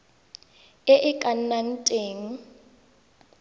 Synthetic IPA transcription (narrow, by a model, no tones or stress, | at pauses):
ɪʔɪkʼan̩nan̩tʼeːŋ̩